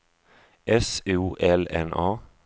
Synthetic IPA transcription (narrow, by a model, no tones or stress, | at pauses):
ʔɛsuːʔɛlɛ̰nʔɑː